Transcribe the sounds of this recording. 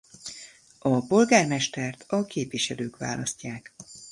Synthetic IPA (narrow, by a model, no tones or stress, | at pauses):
ɒpo̞lɡaːrmɛʃt̪ɛrt̪ʰɒkeːpvʋiʃɛløːkʋa̰ːlɒscːaːk